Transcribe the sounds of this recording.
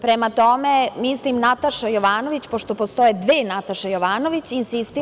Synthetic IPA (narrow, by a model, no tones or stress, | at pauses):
pɾemat̪o̞memislimnat̪aʃajoʋaːno̞ʋit͡ɕpoʃt̪o̞post̪o̞jed̪ʋeːnat̪aʃejoʋaːnoʋit͡ɕinsist̪i